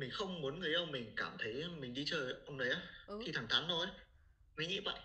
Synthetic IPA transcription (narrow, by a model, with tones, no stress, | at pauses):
mï˨˩ŋ̟xə˧wŋ͡mmu˨˦ənŋɨ˨˩əjʔə˧˩wŋ͡mmï˨˩ŋ̟kaː˧˩mt̪ʰə˨˦jmï˨˩ŋɗi˧t͡ɕəː˨˩ʔə˧wŋ͡mɗə˨˦jʔaː˨˦xʰi˧t̪ʰa˧˩ŋt̪ʰaː˨˦nːɔ˨˦j | mə˨˦jŋḭ˧˥ɓa̰ː˧˨